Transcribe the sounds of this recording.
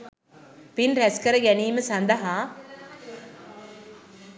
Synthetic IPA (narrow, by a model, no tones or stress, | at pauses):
pinɾɛskəɾəɡɛniːməsɐnd̪əɦa